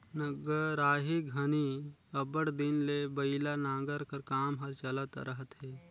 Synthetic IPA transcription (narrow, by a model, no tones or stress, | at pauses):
nəɡəɾaːɦiɡʱɐni | ɐbəɽd̪ɪnlebɐɪlanãːɡəɾkəɾkaːmɦɐɾt͡ʃələt̪ɾəɦət̪ɦɛː